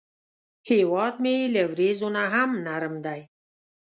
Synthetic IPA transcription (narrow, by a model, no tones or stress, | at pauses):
hewɑd̪̚meləwɾezonaɦamnaɾmd̪aj